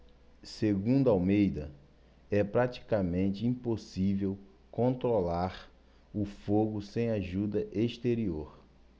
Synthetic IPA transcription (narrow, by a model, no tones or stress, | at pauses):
seɡũnd̪ʊawmejd̪ɐ | ɛpɾat͡ʃi̥kamẽnt͡ʃɪĩposivew | kõnt̪ɾolaɾ | ʊfoɡʊsẽj̃aʒud̪ɐʔeʃt̪eɾioɾ